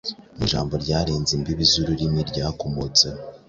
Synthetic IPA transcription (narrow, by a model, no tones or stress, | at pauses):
ḭʒa̰ːmbo̞ɾɟaːɾeːnzimbiβizuɾuɾimiɾɟaːkomot͡se